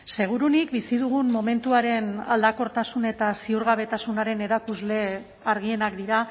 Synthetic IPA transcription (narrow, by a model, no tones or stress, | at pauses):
se̞ɣ̞uɾunikbisiðuɣ̞unmo̞me̞nt̪uaɾe̞na̰ld̪ako̞ɾt̪asune̞t̪asiuɾɣ̞aβ̞e̞t̪asunaɾe̞ne̞ɾakuzle̞ | aɾɣ̞ie̞nakd̪iɾa